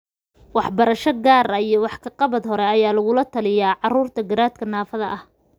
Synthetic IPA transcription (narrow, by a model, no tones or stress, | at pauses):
wɑħbɐɾɐʃɔɡaːrɐijɞwɑħkʰɐqɑβɐd̪ɦɔɾɛɐjaːlɐɣʊlɐt̪ʰɐlɪjaːʕɑruːrt̪ʰɐɡɐɾaːd̪kʰɐnaːfɐðɐʔɐh